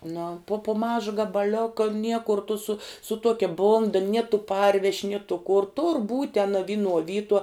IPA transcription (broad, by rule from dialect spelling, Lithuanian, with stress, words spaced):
nʊ pʊ pʊ ˈmɑːʒɐ ɡɐbɐˈlʲoːkɐ ˈnʲiɛkʊr tʊ sʊ sʊ ˈtuɔkʲɛ ˈbʊndɐ nʲiɛ tʊ ˈpɐrʲʋʲɛʃʲ nʲiɛ tʊ kʊr tʊr buːtʲ tʲɛn ɐ ˈʋʲɪnuɔ ˈʋʲiːtuɔ